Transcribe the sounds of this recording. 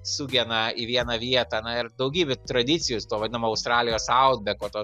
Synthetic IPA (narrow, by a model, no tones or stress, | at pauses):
suːɡʲɛnɐiʋʲiɛnɐʋʲiɛt̪ɐːnɐɪɾd̪ɐʊɡʲiːbʲɛt̪ɾɐd̪ʲɪt͡ssʲɪjʊst̪uɔʋɐd̪ʲɪnɐmoːɐʊst̪ɾɑːlʲɪjoːsɐʊd̪̚bʲɛkoːt̪oː